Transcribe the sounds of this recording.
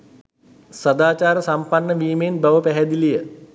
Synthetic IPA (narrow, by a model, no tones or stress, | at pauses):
sad̪aːt͡ʃaːɾəsampanːəʋiːmenbaʋəpæɦɛd̪ilijə